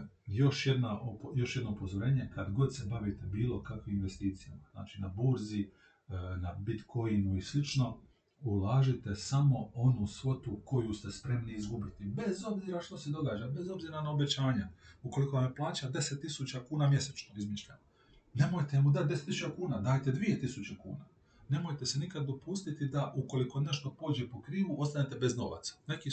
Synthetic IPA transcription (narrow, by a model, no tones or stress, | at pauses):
jo̞ʃje̞d̪naʔopjo̞ʃjed̪noupo̞zoɾe̞ːɲe̞kad̪ɡo̞d̪se̞baʋit̪ebiːlˠo̞kakʋiminʋe̞st̪iːt̪sijamazna̰ːt͡ʃinabuɾzi | nabit̪kʰo̞inuislit͡ʃno̞ | ulˠaːʒit̪e̞samo̞o̞nusʋo̞t̪uko̞juːst̪e̞spɾe̞mniizɡubit̪ibe̞zo̞bziːɾaʃt̪o̞sed̪o̞ɡaːd͡ʑabe̞zo̞bziːɾanao̞be̞t͡ɕaːɲauko̞liko̞ʋamplˠaːt͡ɕad̪e̞set̪ːisut͡ɕakuːnaːmje̞set͡ʃnoɡizmit͡ʃlʲa | ne̞mojt̪emud̪at̪̚d̪e̞set̪ːisut͡ʃakuːnaːd̪aːjt̪e̞d̪ʋije̞t̪isut͡ɕekṵːnaː | ne̞mo̞jt̪e̞se̞nikad̪ːo̞pust̪it̪id̪aʔuko̞liko̞ne̞ʃt̪o̞po̞ːd͡ʑe̞po̞kɾiːʋuʔo̞st̪anet̪e̞be̞zno̞̰ʋa̰t̪sḁne̞ki